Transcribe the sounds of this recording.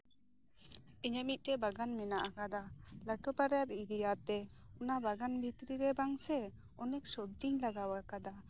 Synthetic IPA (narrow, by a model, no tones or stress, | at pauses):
iɲəmit̪̚ˀʈɛbaɡanmɛnaʔakad̪alaʈɔpaɾjaɾiɾijat̪ɛunabaɡanbʱit̪ɾiɾɛbaŋsɛ | ɔnɛk̚sɔb̚d͡ʒiŋlaɡawakad̪a